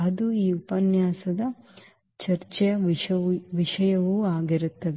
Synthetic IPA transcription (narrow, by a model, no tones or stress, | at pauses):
ɐd̪uiːupɐnjaːsɐd̪ɐ | t͡ʃɐɾt͡ʃɛjɐ | ʋiʂɐjɐʋuaːɡiɾut̪ːɐʋ